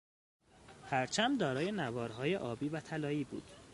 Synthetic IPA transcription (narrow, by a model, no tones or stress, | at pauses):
hæɾt͡ʃʰæmd̪ɒːɾɒːje̞nævɒːɾɦɒːjeʔɒːbiːvæt̪ʰælɒːiːbṵːd̪̥